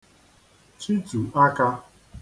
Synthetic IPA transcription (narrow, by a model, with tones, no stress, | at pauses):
t͡ʃi˦tu˨a˦ka˦